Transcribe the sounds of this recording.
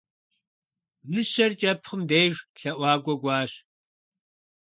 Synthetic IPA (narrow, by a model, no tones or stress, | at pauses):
mɨɕɐrt͡ʃʼɐpχəmdejʒɬɐʔʷɑːɡʷɔɡʷɑːɕ